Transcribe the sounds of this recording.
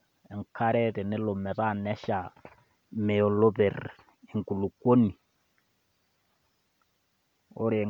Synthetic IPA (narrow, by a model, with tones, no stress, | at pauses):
ɛ˨ŋ˨kʰa˦ɾɛ˦ɾɪ˨nɪ˦lo˨mɛ˨ɾa˦˨nɛ˦ʃa˨ | mɛ˨ɔ˨lo˦βɛ˨ɾ | e˨ŋku˨lu˨ko˦ni˨ | o̰˦ɾɪ˨